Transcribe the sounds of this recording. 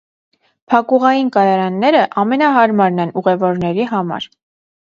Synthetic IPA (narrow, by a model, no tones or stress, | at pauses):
pʰɑkuʁɑjinkɑjɑɾɑnːɛɾəʔɑmɛnɑɦɑɾmɑɾnɛnuʁɛvɔɾnɛɾiɦɑmɑ̰ɾ